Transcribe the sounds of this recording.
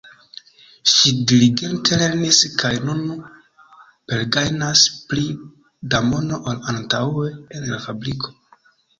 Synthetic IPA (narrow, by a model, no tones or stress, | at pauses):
ʃidiliɡe̞ntʰe̞le̞ɾniskʰajnunu | pe̞lɡajnaspli | damo̞no̞ʔalantaweenlafabɾikʰo̞